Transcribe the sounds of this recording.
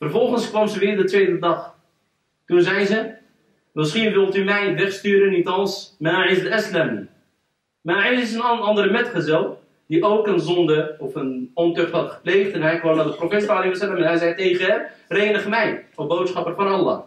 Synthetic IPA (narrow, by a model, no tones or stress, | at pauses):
fərvɔlˠχənskʋɑmzəʋɪːrdətʋeːjdədɑχ | tunzɛjzə | məsχinʋɪlˠtymɛjʋɛχstyːɾənːitɑlˠsmaɪsətɛslɛmi | maɪsɪs̬ənɑndəɾmɛtχəzɛlˠ | diʔowkənzɔndəɔfənɔntøχtɦɑtχə̥pleːχtɛnɦɛjkʋomdɑtdəprofeːtsaleiʋɔsɛləmɛnɦɛjzɛjtejχəɛreːnəχəmɛjɔbowtsχɑpərfɔnɑlːɑ̰ː